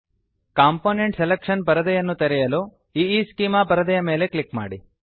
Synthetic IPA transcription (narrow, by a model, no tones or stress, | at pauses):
kaːmpoːneɳʈselekʂɐnpɐɾɐd̪ɐjɐnːut̪eɾɛjɐloː | iiːskiːmaːpɐɾɐd̪ɐjɐme̞ːle̞klikma̰ːɽi